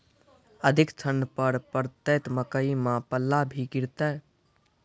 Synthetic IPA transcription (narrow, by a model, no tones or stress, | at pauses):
əd̪ʱikt͡ʃ̪ʰənpəɾpəɾt̪et̪məkəimãpəlːabʱikiɾt̪ɛ